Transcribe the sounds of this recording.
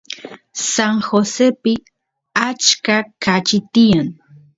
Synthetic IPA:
saŋxosepɪ | at͡ʃkakat͡ʃɪt̪ɪjaŋ

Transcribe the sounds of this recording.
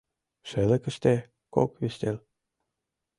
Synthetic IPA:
ʃĕlĕkə̆ʃt̪e | ko̰kβeʃt̪el

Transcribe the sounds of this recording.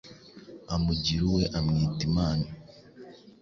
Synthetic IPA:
amuɟiɾuwe̞ʔamŋiːtimaːni

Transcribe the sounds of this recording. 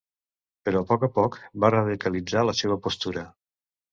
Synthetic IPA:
pəɾɔpɔkəpɔkbarəðikəlid͡zaləseβəpost̪uɾə

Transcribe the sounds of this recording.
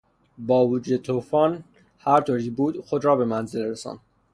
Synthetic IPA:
bɒːvud͡ʒuːd̪et̪ʰufɒːn | hæɾt̪ʰoːɾibuːd̪xod̪ɾɒːbe̞mænzelɾesɒ̰ːnd̪̥

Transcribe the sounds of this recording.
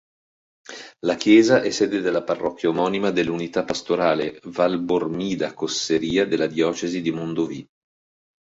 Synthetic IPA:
lak̟jɛːzaʔɛsːɛːd̪ed̪elːaparːɔkːjaomɔːnimad̪elːunit̪apːast̪oɾaːlevalbormiːd̪akoseɾiːad̪elːad̪jɔːt͡ʃezid̪imond̪ovi

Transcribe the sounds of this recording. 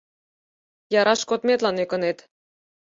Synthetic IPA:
jɑɾʔɑʃkot̪met̪lɑnekɤ̆net̪

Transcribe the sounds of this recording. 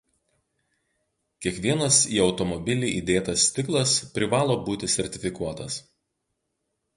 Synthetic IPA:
kʲiɛkʋʲiɛnɐsiːɒʊt̪ɔmɔbʲɪlʲiːʔid̪ʲeːt̪ɐsʲt̪ʲɪklˠɐspʲɾʲɪʋɑːlˠoːbuːt̪ʲɪsʲɛɾʲt̪ʲɪfʲɪkuɔt̪ɐs

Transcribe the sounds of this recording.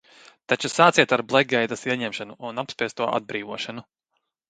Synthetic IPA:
t̪at͡ʃusaːt̪siɛt̪aɾblˠɛɡɛjd̪ɐsiɛɲɛmʃanuʔunapspiɛst̪uɔʔa̰d̪̚bɾiːʋuɔʃanu

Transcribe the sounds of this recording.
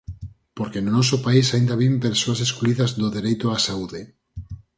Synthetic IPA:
poɾkenonɔsopaisaind̪aβimpeɾsoaseskluiðazðoðeɾejt̪oasauðe

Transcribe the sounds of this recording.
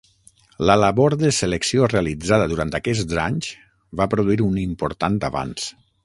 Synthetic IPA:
ləlaβoɾðəseleksiorealid͡zað̞əðuɾant̪akɛszaɲz | βapɾuðuiɾunimpoɾt̪ant̪a̰βa̰ns

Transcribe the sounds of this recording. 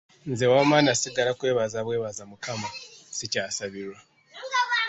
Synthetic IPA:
nzewaːmaːnasiɡalakwe̞ːβazaβwe̞ːβazamukamasicaːsaβiɾwa

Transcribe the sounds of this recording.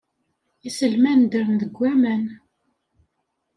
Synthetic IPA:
isəlmænd̪əɾnðəɡʷːæmən

